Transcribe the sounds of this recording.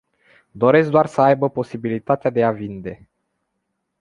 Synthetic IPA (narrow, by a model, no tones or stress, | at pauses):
d̪o̞ɾe̞sk̚d̪oarsəajbəpo̞sibilit̪at̪ead̪e̞avind̪e̞